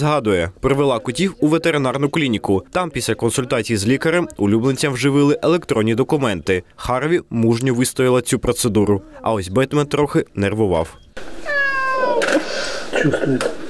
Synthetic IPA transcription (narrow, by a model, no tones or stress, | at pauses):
zɦɑd̪ʊjɛpɾɔʋelˠɑkʊtʲiwuʋet̪eɾɪnɑrnʊklʲinʲikʊt̪ɑmpʲisʲlʲɐkɔnsʊlʲt̪ɑt͡sʲijizlʲikɐɾemʊlʲubnˠet͡sʲːɐwʒɪʋɪlˠɪʔelˠekt̪ɾɔnʲːid̪ɔkʊmɛn̪t̪ɪxɑɾʋʲimuʒnʲɔʋɪst̪ɔjʲɪlˠɐt͡sʲupɾɔt̪sed̪uɾʊɐ̰ɔzʲbɛt̪mɛnt̪ɾɔxɪnerʋʊʋɑ̰w | t͡ʃust̪